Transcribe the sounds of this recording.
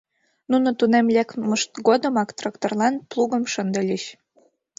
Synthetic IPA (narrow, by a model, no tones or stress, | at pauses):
nunot̪unemlʲekməʃt̪ɣod̪əmɑkt̪rɑkt̪orlɑnplˠuɣəmʃənd̪əlʲiɕ